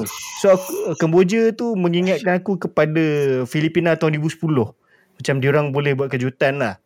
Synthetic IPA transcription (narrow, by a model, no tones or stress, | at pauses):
soakukəmbod͡ʒət̪uməŋiŋat̪̚kanakukəpadafilipinat̪awdibusə̥pulʊh | mat͡ʃamdioɾaŋbolɛhbuat̪̚kəd͡ʒut̪anlah